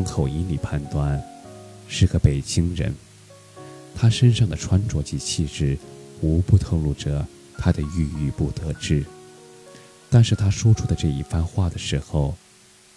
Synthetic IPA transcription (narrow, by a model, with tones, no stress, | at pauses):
ʊ˥ŋkʰo˨˩ʊi˧˥nli˨˩pʰa˥˩nt̪wa˥n | ʂɻ̩˥˩ɡə˦pe˨˩ɪt͡ɕi˥ŋɻə̰˧˥n | t̪ʰa˥ʂə˥nʂɑ˥˩ŋd̪ə˩ʈ͡ʂʰwa˥nʈ͡ʂwɔ˧˥t͡ɕi˧˥t͡ɕʰi˥˧ʂɻ̩˥˩u˧˥pu˥˧t̪ʰo˥˧ŋlu˥˩ʈ͡ʂə˩ | t̪ʰa˥d̪ə˨y˥˧y˥˧pu˥˩t̪ɤ˧˥ʈ͡ʂɻ̩˥˩ | t̪a˥˧nʂɻ̩˥˩t̪ʰa˥ʂwɔ˥ʈ͡ʂʰu˥d̪ə˨ʈ͡ʂɤ˥˧i˥˩fa˥˧nxwa˥˩d̪ə˩ʂɻ̩˧˥xo˥˧ʊ